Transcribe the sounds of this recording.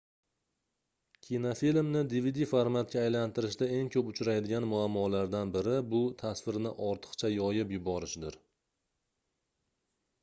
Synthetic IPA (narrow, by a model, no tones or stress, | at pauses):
kʲʰinofilmnɪd̪ivid̪ifaɾmat̪̚kʲaːjlant̪ɪɾɪʃd̪ae̞ŋkʲʰɵpʊt͡ʃɾajd̪ɪɡʲanmʊamːɒlaɾd̪anbɪɾɪbʊt̪ʰasvɪɾnɪʔɒɾt̪ʰɨ̥qt͡ʃʰajɒjɪpjʊbɒɾɪʃd̪ɪɾ